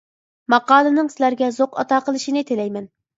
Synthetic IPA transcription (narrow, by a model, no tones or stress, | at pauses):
mɑqɑːlˠɨnɨŋsɪlæɾɡʲɛzoqɑ̰t̪ɑːqəlˠɨʃinɨt̪ʰelɛjmɛn